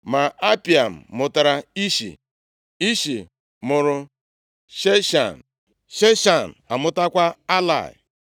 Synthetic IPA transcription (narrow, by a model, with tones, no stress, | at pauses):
ma˨a˦pi˨a˨m̩˨mʊ˨ta˨ɾa˨i˦ʃḭ˨ | i˦ʃi˨ | mʊ˨ɾʊ˦ | ʃe˦ʃa̰˨n̩˨ | ʃe˦ʃa˨n̩˨a˨mʊ˦ta˦kʷa˦a˦la̰˦˨ɪ̰˨